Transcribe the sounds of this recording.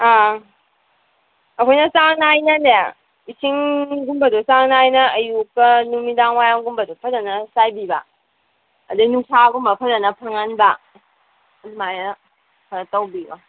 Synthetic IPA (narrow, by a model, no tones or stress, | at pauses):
a | ɐkʰojnɐsaŋnajnɐne | isʰiŋɡumbɐdosaŋnajnɐːjukːɐnumidaŋwajaŋɡumbɐdopʰɐzɐnɐsajbibɐ̰ː | dɯnuŋsaɡumbɐpʰɐzɐnɐpʰaŋanbɐː | lumajɐ | pʰatɐwbiba